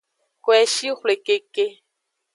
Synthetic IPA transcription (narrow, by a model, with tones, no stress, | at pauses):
kwɛ˨ʃi˦xʷle˨ke˨ke˦